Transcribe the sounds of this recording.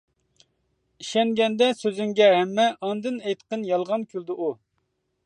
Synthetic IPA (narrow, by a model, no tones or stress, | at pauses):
iʃɛŋɡʲɛnd̪ɛsøzyŋɡʲɛɦɛmːɛʔɑnd̪ɨnɛjt̪qənjɑlˠʁɑnkʲʰyld̪ɪʔu